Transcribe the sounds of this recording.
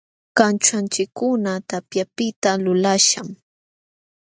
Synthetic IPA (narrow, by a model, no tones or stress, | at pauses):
kant͡ʃant͡ʃɪkːʊnat̪apjapɪt̪alʊlaʃam